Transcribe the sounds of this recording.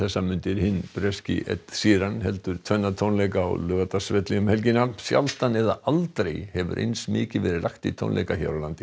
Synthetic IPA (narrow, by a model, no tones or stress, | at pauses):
θɛsːamʏnt̪ɪɾhɪnpɾɛscɪ̰ʔɛ̰t̪siːɾanhɛlt̪ʏɾ̥t̪ʰvœnːat̪ʰownlejka̰ːwlʏːɣat̪asvɛt̪lɪjʏmhɛlcɪnːasja̰lt̪anɛða̰alt̪ɾejhɛvʏ̰ɾʔḛjnsmɪːcɪvɛːɾɪlaxt̪it̪ʰo̰wnḛjkaça̰ɾawlant̪ɪ